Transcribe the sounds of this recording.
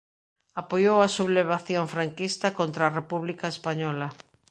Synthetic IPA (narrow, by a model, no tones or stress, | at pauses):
apojowasuβleβ̞aθjoɱfɾaŋkist̪akont̪ɾaːrepuβlikaespaɲɔla